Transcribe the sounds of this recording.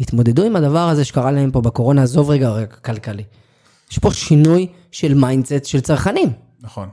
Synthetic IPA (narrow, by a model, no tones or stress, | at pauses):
it̪mo̞d̪e̞d̪uimad̪avaʁaze̞ʃekaʁalahempo̞beko̞ʁo̞nazo̞vʁeɡakalkali | jeʃpo̞ʃinuj | ʃe̞lmajndset̪ʃe̞lt͡saʁχanim | naχon